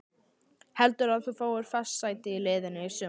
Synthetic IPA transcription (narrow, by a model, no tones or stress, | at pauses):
hɛlt̪ʏɾaðθufoːwʏɾ̥fassaːjt̪ɪileːðɪnɪisʏː